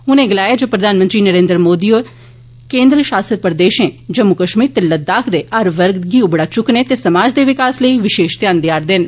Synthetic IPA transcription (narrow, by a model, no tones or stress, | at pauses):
ɦʊnẽːɡəlaːjaːd͡ʒoːpɾəd̪aːnmə̃nt̪ɾiːnəɾẽːnd̪ɾmoːd̪iːoːɾ | kẽːnd̪ɾəʃaːsəd̪̚pəɾd̪eːʃẽːd͡ʒəmːʊkəʃmiːɾt̪eləd̪aːkʰd̪eːʔəɾʋəɾɡ̪ɡiːũbəɽaːt͡ʃʊkneːt̪eːsəmaːd͡ʒd̪eːʋɪkaːsləiːʋɪʃeːʃt̪ɪjãːnd̪jaːɾd̪ɪn